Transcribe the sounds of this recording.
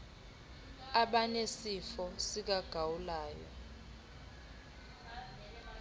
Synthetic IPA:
aɓanesifɔsik̬aɡ̥ʱawulaːjɔ̰

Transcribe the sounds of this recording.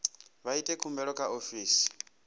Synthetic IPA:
βaitʼɛkʰumbɛɺɔkʰʼaʔofiːsi̥

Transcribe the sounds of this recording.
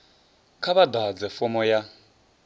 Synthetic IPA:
kʰaβadad͡zɛfɔmɔja

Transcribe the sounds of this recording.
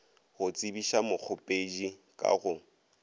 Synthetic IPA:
ɣʊt͡sʼibiʃamʊk͡xʰʊpʼed͡ʒikʼa̰ɣʊ

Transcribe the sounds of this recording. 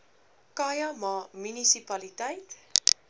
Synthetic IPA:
kɑjɐmɑːmynisipɐlitɛjt

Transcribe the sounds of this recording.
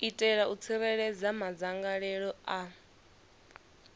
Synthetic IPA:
itʼɛɺaut͡sʰiɾɛɺɛd͡zamad͡zaŋɡaɺɛɺɔa

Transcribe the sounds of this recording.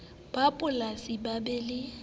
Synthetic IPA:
b̥apʼʊlasibabɛlɪ

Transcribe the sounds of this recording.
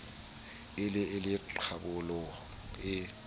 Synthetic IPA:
ɪlɪɪlɪǃʰabʊlɔ | ɪ

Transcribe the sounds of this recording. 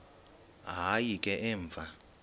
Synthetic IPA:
ɦajikʼɛʔɛːɱvʱa

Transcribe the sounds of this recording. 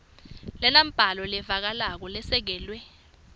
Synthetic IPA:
lɛnam̩b̥ʱalɔlɛvak̬alak̬ɔlɛsɛk̬ɛːlwɛ

